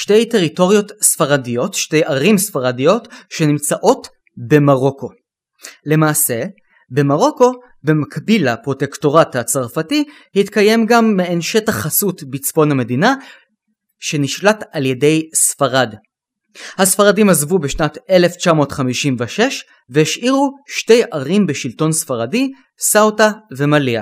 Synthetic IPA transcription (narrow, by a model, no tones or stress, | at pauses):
ʃte̞jte̞ʁito̞ʁijo̞tsfaʁadijo̞tʃte̞jʔaʁimsfaʁadijo̞tʃe̞nimt͡saʔo̞t | be̞maʁo̞kʰo̞ | le̞maːse̞ | be̞maʁo̞ko̞ | bemakbilhapʁo̞te̞kto̞ʁathat͡saʁfati | hitkaje̞mɡamːeenʃe̞taχasutbit͡sbo̞nhame̞dina | ʃe̞niʃlatalje̞de̞jsfaʁad | hasfaʁadimazvubeʃnate̞le̞ft͡ʃamo̞ːtχamiʃimveʃeʃ | veiʃʔiʁuʃte̞jaʁimbeʃilto̞nsfaʁadi | sawtave̞malia